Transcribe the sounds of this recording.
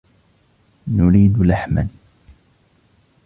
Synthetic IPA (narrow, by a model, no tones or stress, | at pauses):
nʊɾiːd̪laħma̰n